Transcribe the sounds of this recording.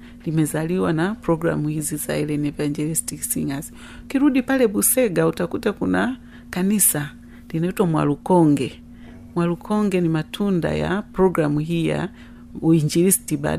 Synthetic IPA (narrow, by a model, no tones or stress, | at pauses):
limɛzaliwanapɾɔɡɾa̰muhiziza̰ɛlɛnɛvaɲd͡ʒɛlisi̥tisḭŋazi̥ | kiɾudipalɛbusɛɡautakutakuna | kanisa | linautwamwa̰lukɔŋɡɛ | mwalukʰɔŋɡɛnimatʰunda̰ja̰pɾɔɡɾamuɦija̰ | uiɲd͡ʒilisi̥tiba̰d